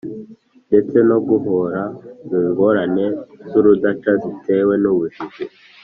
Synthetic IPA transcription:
nde̞t͡se̞no̞ɡuɦoɾaziːŋɡo̞ɾane̞zuɾudat͡ʃazite̞we̞nuβuʒiʒe

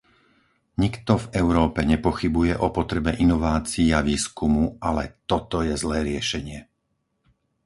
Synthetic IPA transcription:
ɲikt̪ɔvɛʊɾɔːpɛɲɛpɔxibujɛʔɔpɔt̪ɾɛbɛʔinɔʋaːt͡siːaʋiːskumuʔalɛt̪ɔt̪ɔjɛzlɛːɾɪɛʃɛɲɪɛ

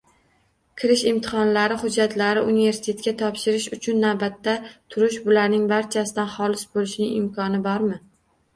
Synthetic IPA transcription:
kʰʲɪɾɪʃɪmt̪ʰɪ̥χɒnlaɾɪχʊd͡ʒːat̪laɾɪʔunɪve̞ɾsɪ̥t̪ʰe̞t̪̚kʲat̪ʰɒpʃɪɾɪʃʊt͡ʃʰʊnːawbat̪ːat̪ʰʊɾɪʃbʊlaɾnɪŋbaɾt͡ʃʰasɪd̪anχɒlɪsbolɪʃnɪŋɪmkʰɒnɪbɒɾmɪ

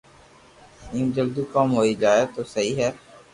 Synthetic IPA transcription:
nĩːmd͡ʒəld̪ukɔːmɦoːid͡ʒaːet̪oːsɐɦiɦɛː

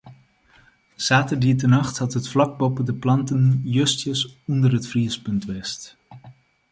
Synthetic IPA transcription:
saːtəɹdiətənɑχthɑtɦətflɑk̚bɔpədəplɑntənjøstjəsɔndərɦətfriəspɵntʋɛst

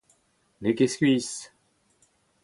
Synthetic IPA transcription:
lekeskʲɥis

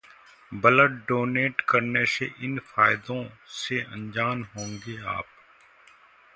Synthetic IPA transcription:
bɐləʈɖoːneːʈkɐɾneseʔɪnfaːɪd̪õseɐ̰̃nd͡ʒaːnɦõːŋɡeːa̰ːp̚

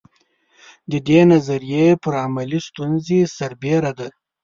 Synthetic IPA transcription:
d̪əd̪enazaɾijepəɾamalist̪unzesaɾbeɾad̪a

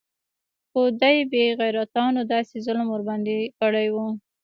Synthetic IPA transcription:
xod̪ajbeɣajɾat̪ɑnod̪ɑsezʊlmwʊɾbɑnd̪ikəɽajwu

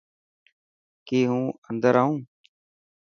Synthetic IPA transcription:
keːɦũːənd̪əɾaːũː

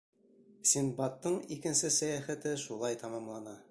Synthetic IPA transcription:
sʲinbɑt̪ːɤɴikɘ̆nsɘsæjæχæt̪ɘʃulˠɑjt̪ɑmɑmlˠɑnɑ

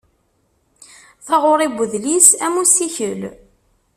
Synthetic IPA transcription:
θɑʁʊɾˤibəðlisæmusiçəl

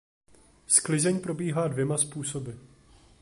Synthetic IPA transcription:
sklɪzɛɲpɾo̞biːɦaːdvjɛmaspuːso̞bɪ

